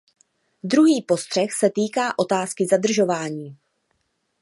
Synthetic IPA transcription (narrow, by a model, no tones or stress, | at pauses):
d̪ɾuɦiːpo̞st̪r̝̥ɛxsɛt̪iːkaːʔo̞t̪aːskɪzad̪r̩ʒo̞vaːɲiː